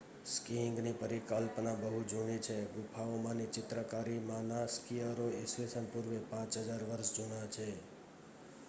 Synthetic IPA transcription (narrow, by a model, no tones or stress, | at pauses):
skiŋɡnipəɾikəlpnãbəɦud͡ʒʱuɳit͡ʃʰeɡʊpʰaomãnit͡ʃɪt̪ɾəkaɾimãnaskiəɾoesʋesənpuɾʋepãt͡ʃɦəd͡ʒaɾʋəɾʃd͡ʒunat͡ʃʰe